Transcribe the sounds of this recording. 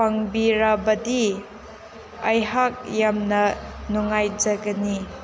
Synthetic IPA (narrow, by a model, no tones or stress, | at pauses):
paŋbiɾabɐdi | ɐjɦak̚jamnɐnuŋajd͡ʒɐɡɐni